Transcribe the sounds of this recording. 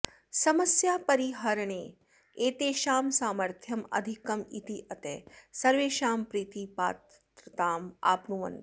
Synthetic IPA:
sɐməsjaːpɐɾiɦɐɾɐɳ̃eː | eːt̪eːʃaːmsaːməɾt̪ʰjɐmɐ̰d̪ʱikɐmḭt̪iʔɐt̪eːsɐɾʋeːʃaːmpɾiːt̪iːpa̰ːt̪ | ɾɐt̪aːma̰ːpnuʋɐ̰n

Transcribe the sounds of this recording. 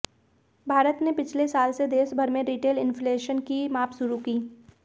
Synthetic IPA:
bʱaːɾət̪nepɪt͡ʃʰlesaːlsed̪eːʃbʱəɾmẽɾiːʈeːlɪ̃nfleːʃənkimaːpʃʊɾukiː

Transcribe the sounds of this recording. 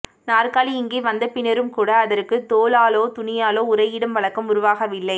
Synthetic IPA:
naːrkaːliɪŋɡeːʋɐnd̪ɐpɪnɐɾɯmkuːɽɐːðɐɾkːɯt̪oːlaːloːt̪ʊnɪjaːloːʊɾɐɪɪɽɐmʋɐɭɐkːɐmʊɾʊʋaːɣɐʋɪlːɐɪ

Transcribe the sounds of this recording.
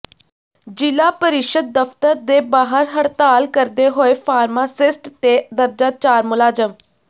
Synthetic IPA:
d͡ʒɪlaːpəɾɪʃəd̪̚ːəft̪əɾd̪eːbaːɦəɾɦəɽt̪aːlkəɾd̪eːɦoːepʰaːɾmaːsɪsʈt̪eːd̪əɾd͡ʒaːt͡ʃaːɾmʊlaːd͡ʒəm

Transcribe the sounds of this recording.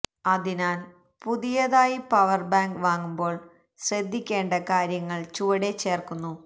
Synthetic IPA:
ɐðinaːl | puðijɐðaːjipɐʋɐrbaːŋɡʋaːŋːumbo̞ːɭ | ɕrɐd̪ʱːikʲːe̞ːɳɖɐkaːɾjɐŋːɐɭt͡ɕuʋɐɽet͡ɕːe̞ːrkunːu

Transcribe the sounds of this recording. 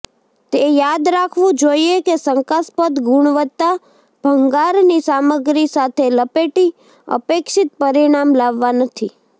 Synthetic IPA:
t̪ejad̪ɾakʰʋũd͡ʒoiekesəŋkaspəd̪ɡuɳ̃ʋət̪ːa | b̥ʱəŋɡaɾnisaməɡɾisat̪ʰeləpeʈi | ə̰pekʃɪt̪̚pəɾiɽ̃amlaʋːanət̪ʰi

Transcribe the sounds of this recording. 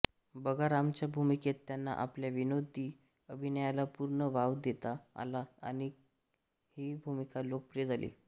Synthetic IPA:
bəɡʱaɾamt͡ɕjabʱumiket̪ːjanːa̰ʔa̰pljaʋinod̪i | əbʱinəjalapuɾɳəʋaʋd̪et̪a̰ːlaa̰ñi | hibʱumikalok̚pɾijed͡z̪alḭː

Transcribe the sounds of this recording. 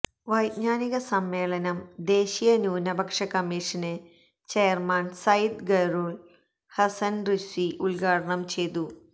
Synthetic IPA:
ʋɐjd̪ɲaːniɣɐsɐmːeːlɐnɐmd̪e̞ːɕijɐnuːnɐbʱɐkʂɐkɐmːiːʂɐne | t͡ɕejɐrmaːnsɐjd̪ɡɐɾoːl | hɐsɐnrisʋiʔulɡaːɽɐɳɐmt͡ɕe̞jt̪u

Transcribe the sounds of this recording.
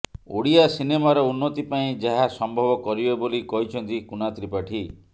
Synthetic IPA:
o̰ɽiasinemaɾɔunːɔt̪ipaĩd͡ʒaɦasɔmbʱɔbɔkɔɾibebolikɔɦit͡ʃʰɔnt̪ikunat̪ɾipaʈʰi

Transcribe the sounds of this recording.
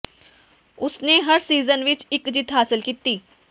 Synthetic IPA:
ʊsneɦɐɾsiːzənʋɪt͡ʃɪkd͡ʒɪt̪ʰɦaːsɪlkiːt̪iː

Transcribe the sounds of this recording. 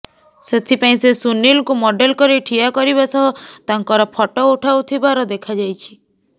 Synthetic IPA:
set̪ʰipaĩsesunilkumɔɖelkɔɾiʈʰiakɔɾibasɔɦut̪aŋkɔɾɔpʰɔʈɔuʈʰawt̪ʰibaɾɔd̪ekʰad͡ʒajt͡ʃʰi̥

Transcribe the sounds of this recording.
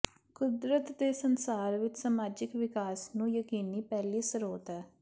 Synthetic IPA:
kʊd̪ɾət̪d̪eːsənsaːɾʋɪt͡ʃsaːmaːd͡ʒɪkʋɪkaːsnũːjəkiːniːpɛːliːsəɾoːt̪ɛː

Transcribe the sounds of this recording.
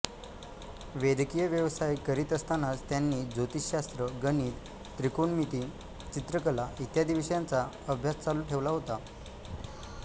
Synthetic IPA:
ʋed̪kijəʋjəʋsajkəɾiːt̪əst̪anat͡st̪janːiːd͡zot̪iɕast̪ɾəɡəniːt̪ | t̪ɾikonmit̪iːn | t͡ɕit̪ɾəkəlait̪jad̪iʋəɕjãnt͡sa | əbʱjast͡saluːʈʰeʋlaɦot̪a

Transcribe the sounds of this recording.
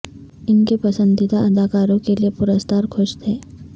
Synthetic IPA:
ɪnkepɐsə̃nd̪ɪt̪aʔɐd̪aːkaːɾõkeliepʊɾəst̪ʰaːɾkʰʊʃt̪ʰeː

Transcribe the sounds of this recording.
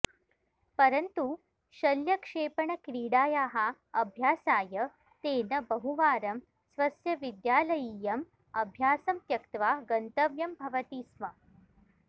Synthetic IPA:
pɐɾɐnt̪u | ɕɐljɐkʂeːpɐɳɐkɾiːɽaːjaːɦa | ɐbʱjaːsaːjɐ | t̪eːnɐbɐɦuʋaːɾɐm | sʋɐsjɐʋid̪jaːlɐjiːjɐm | ɐbʱjaːsɐmt̪jɐkt̪ʋaːɡɐnt̪ɐʋjɐmbʱɐʋɐt̪iːsmɐ

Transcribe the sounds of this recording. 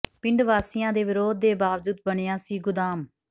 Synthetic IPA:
pɪɳɖʋaːsɪjãːd̪eːʋɪɾoːd̪̚ːeːbaːʋd͡ʒud̪̚bəɳeːaːsiːɡʊd̪aːm

